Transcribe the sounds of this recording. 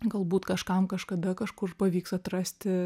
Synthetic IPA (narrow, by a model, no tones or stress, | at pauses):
ɡɐlˠbuːt̪kɐʃkɐmkɐʃkɐd̪ɐkɐʃkʊrpɐʋʲiːksɐt̪ɾɐsʲt̪ʲɪ